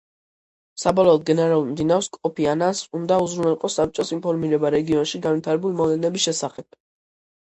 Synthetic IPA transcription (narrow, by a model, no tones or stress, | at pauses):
sabɔlˠɔːd̪̚ɡɛnɛɾaulˠmd̪inaɾskʼɔpʰianasund̪auzɾunɛlˠqʼɔsːap̚t͡ʃʼɔsinpʰɔɾmiɾɛbaɾɛɡiɔnʃiɡanvit̪ʰaɾɛbulimɔvlɛnɛbisʃɛsaχɛb̥̚